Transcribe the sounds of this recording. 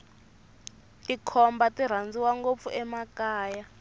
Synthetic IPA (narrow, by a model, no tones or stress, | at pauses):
tʼikʰɔmbatʼir̤and͡ziwaŋɡop̪fuʔɛmakaːja